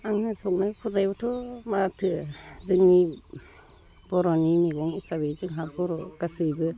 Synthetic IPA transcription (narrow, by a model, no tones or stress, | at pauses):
aŋnɯsɔk̚nɯpʰuɾ̚najbɔtʰɔmatʰɯzɯŋni | b̥ɔɾɔnimeɡɔŋisabezɯŋɦak̚bɔɾɔɡ̥asɯjbɯ